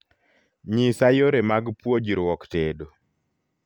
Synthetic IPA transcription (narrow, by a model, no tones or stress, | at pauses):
ɲisajoɾemaɡpwod͡ʒiɾwɔktedo